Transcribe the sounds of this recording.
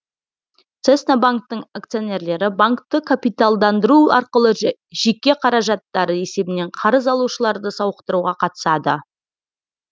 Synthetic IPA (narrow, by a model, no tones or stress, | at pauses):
t̪sesnabaŋk̚t̪əɴak̚t̪sijo̞ne̞ɾle̞ɾɪbaŋkt̪əkʰapijt̪alˠd̪ɑnd̪əɾuɑ̰ɾqəlˠəʒe̞kʲːe̞qʰɑɾɑʒɑt̪ːɑɾəe̞se̞bɪne̞ɴqʰɑɾəzɑlˠuʃəlˠɑɾd̪əsɑwəqt̪əɾuʁɑqʰɑt̪ə̥sɑd̪ə